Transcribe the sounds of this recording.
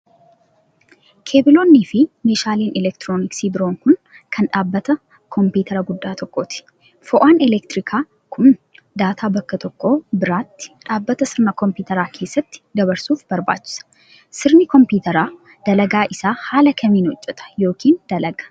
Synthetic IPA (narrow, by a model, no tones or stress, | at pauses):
kʰe̞ːbɪlo̞ːnːiːfɪmeːʃaːliːnʔɛlɛkt̪ɾoːnɪksiːbɪɾo̞ːŋkʊn | kʰɐnᶑaːbːɐt̪ɐ | kʰɔmpiːt̪ʰɐɾɐɡʊd̪ːaːt̪ɔkːoːt̪ɪ̥ | fɔʔaːnɛlɛkt̪ɪɾɪkʰaː | kʰʊn | d̪aːt̪ʰaːbɐkːɐt̪ɔkːo̞ːbɪɾaːt̪ːɪ̥ᶑaːbːɐt̪ɐsɪɾnɐkɔmpiːt̪ɐɾaːkʰe̞ːsːɐt̪ːɪ̥d̪ɐbɐɾsuːfbɐɾba̰ːt͡ʃːɪ̥sɐ̥ | sɪɾnɪkɔmpuːt̪ɐɾaː | d̪̥ɐlɐɡaːʔɪsaːhaːlɐkʰɐmiːnhɔt͡ʃʼːɛt̪ʼɐ̥jo̞ːkʰiːnd̪ɐlɐɡɐ̥